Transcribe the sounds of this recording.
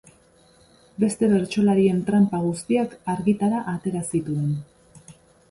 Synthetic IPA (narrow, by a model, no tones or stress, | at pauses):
be̞st̪e̞βe̞ɾt͡ʃo̞laɾie̞nt̪ɾampaɣ̞ust̪iakaɾɣit̪aɾaʔat̪e̞ɾasit̪uen